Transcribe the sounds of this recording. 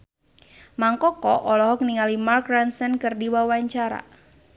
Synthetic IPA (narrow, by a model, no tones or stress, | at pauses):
maŋkɔkɔʔɔlɔɦɔk̚niŋalimarkɾansɛnkɨrdiwawaɲt͡ʃaɾa̰